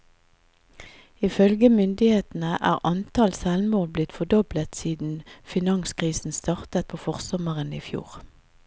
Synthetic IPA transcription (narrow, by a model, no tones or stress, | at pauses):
ɪfœlɡəmʏnd̪ɪheːt̪n̩əʔæ̰ːʁʔɑnt̪ʰɑlsælmoːlblɪt̪fɔd̪ɔblət̪siːd̪n̩fɪnɑŋskʁiːsn̩st̪ɑʁt̪ət̪̚pʰoːfɔʁsɔməʁənḭːfjṵːʁ